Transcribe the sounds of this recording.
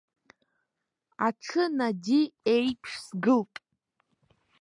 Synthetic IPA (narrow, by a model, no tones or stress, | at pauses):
aʈ͡ʂʰɨnadʲiejpʰʂsɡɨlpʼ